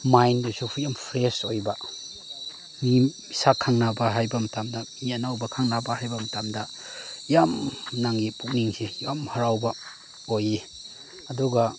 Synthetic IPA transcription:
majndusuhʰujampʰɾesojba | mi | isakʰaŋnabaɦajbɐmɐtamdɐmijanawbɐkʰaŋnabahajbɐmɐtamdɐ | jamnaŋɡipuk̚niŋsejamhɐɾawbɐ | oje | ɐdɔɡa

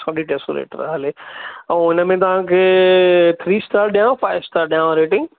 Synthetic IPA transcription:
saːɗiʈeːso̰ɾḛːʈəɾɐ̰ɦaleɛ̃ːɪnəmẽt̪̬ɐʋ̤ãkʰeːt̪ʰɾiːsʈaːɾɗijãfaːɪʋsʈaːɾɗijãɾeːʈɪ̃ŋɡ

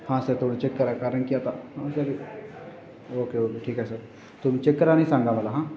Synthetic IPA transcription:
hãːsət̪ʰoːɽit͡ʃekːəɾɛkaɾənkijat̪ʰaasaɾi | oːkeoːkeʈʰiːkɦɛsəɾ | t̪ʊmt͡ʃekːəɾanɐĩsãːŋɡamɐlaɦãː

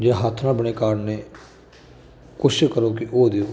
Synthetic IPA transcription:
d͡ʒeɦaːt̪ʰnãːbəɽ̃eːkaːɽneː | kʊʃkəɾoːkɪʔoːd̪eː

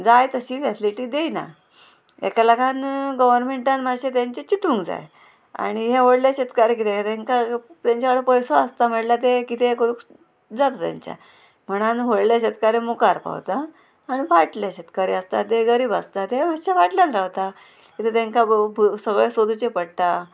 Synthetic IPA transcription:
d͡zajt̪əɕiːfat̪ʰliʈiːd̪ejna̰ | ḛkalakanɡəʋəɾmeɳʈanmaɕet̪jaɲt͡ɕet͡ɕiʈʰũŋɡd͡za̰j | a̰ɽ̃iɦeʋoɽljaɕet̪kaɾek̬it̪et̪eŋkat̪jaɲt͡ɕaʋəɽepəjsoast̪am̤əɽlat̪ekit̪ʰekoɽuk | d͡zat̪ot̪ja̰ɲt͡ɕja̰ | m̤əɽ̃anɦoɽljaɕet̪̚kaɾemukaɾpa̰ʋt̪aː | ɽ̃iʋaʈljaɕət̪kaɾiəst̪a̰t̪eɡəɾiːbast̪at̪emaɕaʋaʈljanɾaʋt̪a | kit̪ʰet̪eŋkabsəɡɭesod̪ut͡ɕepəɽt̪a

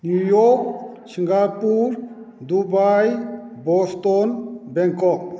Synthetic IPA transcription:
nujɔk̚ | sʰiŋɡapuɾ | d̪ubajbɔst̪ɔnbɛŋkɔk̚

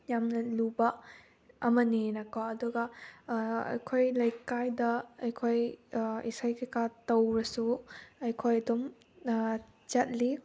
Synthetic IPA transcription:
jamnɐluba | ɐmɐnenakawɐduɡɐ | ɐ̰jkʰojlɐjkajdɐɐjkʰojisajkʰekatɐwɾɐsuɐjkʰojɐdɔm | t͡ʃɐt̚li

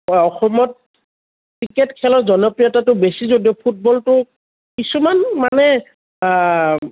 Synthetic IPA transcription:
ɔxɔmɔt̚ | kɹiketkʰɛlɔzɔnɔpɹiatatʊbesizodiɔpʰut̚bɔltʊ | kisumanmanɛ

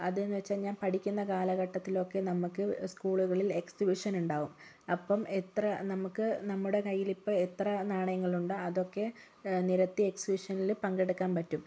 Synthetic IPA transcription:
ɐðenːɨʋɐt͡ɕːaːlɲaːnpɐʈikʲːunːɐkaːlɐɣɐʈːɐt̪ːilo̞kːe̞nɐmukːɨskuːɭuɣɐɭile̞ksibiʂɐnuɳɖaːʋum | ɐpːɐmet̪rɐnɐmukːɨnɐmːuɽe̞kɐjːilipːoːet̪rɐnaːɳɐjɐŋːɐɭuɳɖɨɐðo̞kːe̞ | niɾɐt̪ːie̞ksibiʂɐnilpɐŋɡe̞ɽukːaːnpɐtːum

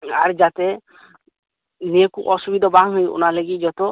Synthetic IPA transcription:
aɾd͡ʒat̪e | niekuʔɔsubid̪ʱɔbaŋɦujṵnaleɡid͡ʒɔt̪o

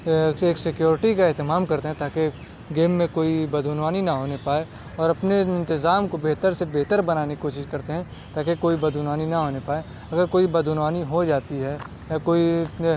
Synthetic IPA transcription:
eːksɪkjoːɾɪʈikaɛɦt̪ɪmaːmkɐɾt̪eɦɛ̃t̪aːke | ɡeːmːẽkoːibɐd̪ʱʊnwaːninɐɦoːnepaːe | ɔːɾɐpneɪ̃nt̪ɪzaːmkobeɦt̪əɾsebeɦt̪əɾbɐnaːnikkoːʃɪʃkɐɾt̪eɦɛ̃ | t̪aːkekoːibɐd̪ʱʊnaːninɐɦoːnepaːe | ɐɡəɾkoːibɐd̪ʱʊnʋaːniɦod͡ʒaːt̪iɦɛ | jakoːi

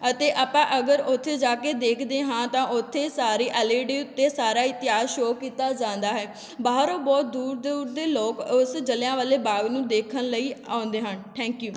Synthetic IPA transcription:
ət̪eːʔaːpãːʔəɡəɾʊt̪ʰːeːd͡ʒaːkeːd̪eːkʰd̪eːɦãːt̪ãːʔʊt̪ʰːeːsaːɾiːʔəleːɖiːʊt̪ːeːsaːɾaːɪt̪ɪjaːzʃoːkiːt̪aːd͡ʒãːnd̪aːɦɛː | baːɦəɾoːbɔːt̪̚d̪uːɾd̪uːɾd̪eːloːkʊsd͡ʒəljãːʋaːleːbaːɡnũːd̪eːkʰənləiːãːnd̪eːɦənʈʰɛ̃ːŋkjuː

